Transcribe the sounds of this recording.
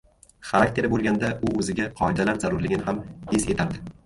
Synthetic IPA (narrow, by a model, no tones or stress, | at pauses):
χaɾak̚ʲt̪ʰe̞ɾbolˠɡʲand̪aʔʊɵzɪɡʲaqʰɒed̪alaɾzaɾʊɾlɪɡʲɪnɪhamese̞̰t̪ʰaɾd̪ɪ